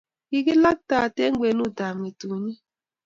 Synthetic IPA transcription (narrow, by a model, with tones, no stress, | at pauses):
i˦ɡi˦la˦k̚ta˦˨te˦ŋ̩˦ɡ͡be˨˦nu˦˨da˨m˨e˨tu˨ɲi˦